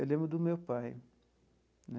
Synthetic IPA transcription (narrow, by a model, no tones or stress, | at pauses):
ewlẽmbɾʊd̪ʊmewpaj | nɛ